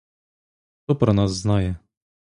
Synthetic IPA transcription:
xt̪ɔpɾɐnɑzːnɑjɛ

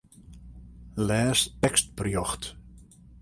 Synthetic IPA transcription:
lɛːstɛkst̚pərjɔxt

